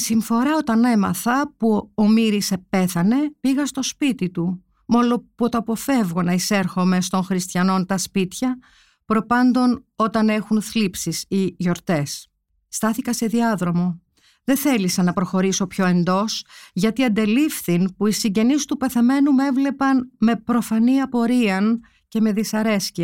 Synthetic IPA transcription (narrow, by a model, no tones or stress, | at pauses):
siɱfo̞ɾɐo̞t̪ɐne̞mɐ̰θɐpuomiɾise̞pe̞θɐne̞piɣɐst̪o̞spit̪it̪u | mo̞lopot̪oɐpo̞fe̞vɣo̞nɐise̞ɾxo̞me̞st̪o̞nxɾist̪çɐno̞nt̪ɐspit̪çɐ | pɾo̞pɐnd̪o̞no̞t̪ɐne̞xunθlipsisiʝo̞ɾt̪e̞sː | t̪ɐθikɐse̞ðiɐðɾo̞mo̞ | ðeθe̞lisɐnɐpɾo̞xo̞ɾiso̞pço̞e̞nd̪o̞sʝɐt̪iɐnd̪e̞lifθinpuisiɲɟe̞nist̪upe̞θe̞me̞nume̞vle̞pɐnme̞pɾo̞fɐniɐpo̞ɾiɐn | ce̞me̞ðisɐɾe̞sciɐ